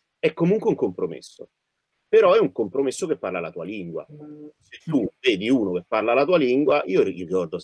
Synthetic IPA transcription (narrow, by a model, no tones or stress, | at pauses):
ɛkːomuŋkweuŋkompɾomḛsːo̰ | peɾɔɛuŋkompɾomesːok̟epːarlalat̪uːa̰liŋɡwa̰set̪ːuːveːd̪iuːnok̟epːarlalat̪uːaliŋɡwaʔiːoirikɔrd̪o